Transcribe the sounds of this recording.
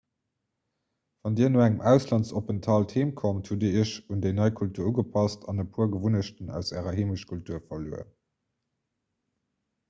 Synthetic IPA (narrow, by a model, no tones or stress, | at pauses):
v̥ɑndiːɐnoːæŋəmæʊslɑnsopəntʰɑltʰheːmkʰomthudiəɕundeɪnɑɪkʰultʰuːɐuɡəpʰɑstʰɑnəpʰuːɐɡəvunəɕtənæ̰ʊsæːʁɐɦeːməʃkʰultʰuːɐfɐlṵːə̰